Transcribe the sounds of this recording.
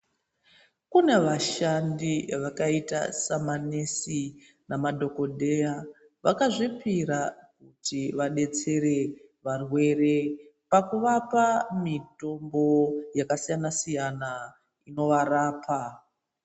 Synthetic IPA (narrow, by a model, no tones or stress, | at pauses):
kune̞ʋaʃandiʋakaita̰samanesi | namadʱo̞ko̞dʱe̞ja | ʋa̰kaʐipiɾak̚utiʋaɗe̞t͡se̞ɾe̞ | ʋarwe̞re̞pakuʋapamito̞mbo̞jakasijanasijana | ino̞ʋaraːpʰa